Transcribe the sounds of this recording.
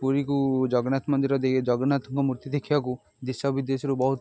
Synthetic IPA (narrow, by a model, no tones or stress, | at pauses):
puɾikud͡ʒɔɡɔnat̪mɔnd̪iɾɔd̪ed͡ʒɔɡɔnat̪ɔŋkɔmuɾt̪id̪ekʰːibaku | d̪isɔbid̪esɔɾubɔɦut̪